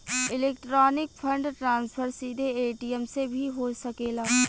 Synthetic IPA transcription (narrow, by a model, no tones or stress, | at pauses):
ɪleːk̚ʈɾɔːnɪk̚fʰə̃ɳɖʈɾãːnspʰəɾsiːd̪ʱeeːʈiəmsebʱiɦoːsɐkeːlaː